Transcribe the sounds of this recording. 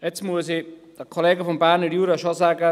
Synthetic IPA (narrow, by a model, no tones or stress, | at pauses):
jɛt͡smuəsid̥əkʰoleːɡəfɔmbæɾnəɾjuːɾaʃozaːɡə